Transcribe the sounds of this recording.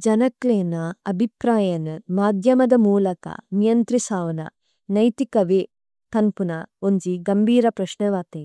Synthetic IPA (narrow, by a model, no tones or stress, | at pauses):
d͡ʒɐnɐkleːnɐɐbʱipɾaːjɐnmaːd̪ʱjɐmɐd̪ɐmuːlɐkɐ̰nijɐnt̪ɾisaːʋɐnɐ̰ | nɐjt̪ikɐʋeː | t̪ɐnpunɐond͡ʒiɡɐmbʱiːɾɐpɾɐʃnɐʋaːt̪eː